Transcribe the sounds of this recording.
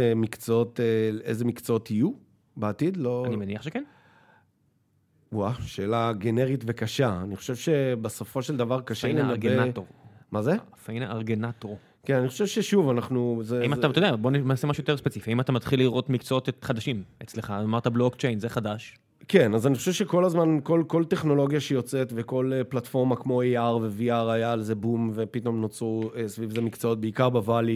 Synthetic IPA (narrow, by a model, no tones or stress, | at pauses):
emikt͡sot̪eezemikt͡saotiju | beat̪id̪loanimeniaχʃeken | waʃeːlaɡeneʁitvekaʃaaniχo̥ʃevʃe̞besofo̞ʃeld̪avaʁkaʃenemaʁɡenatoʁmazeafainaʔaʁɡenat̪ʁo | kenaniχoʃevʃeʃuvanaχnuzeaimataodeabonennasemaʃujot̪e̞spet͡sifiaimat̪amat̪χilːiʁo̞t̪mikt͡soot̪χad̪aʃimet͡sleχaamaʁt̪ablokt͡ʃejnzeχad̪aʃ | ke̞nazaniχoʃevʃe̞ko̞lazmanko̞lko̞lt̪e̞χno̞lo̞ɡjaʃejo̞t͡set̪ve̞ko̞leplatfo̞ʁmakmo̞eaʁve̞viaʁajaleze̞bumvepit̪o̞mnot͡sʁuesvivzemikt͡soot̪̚beikaʁbavali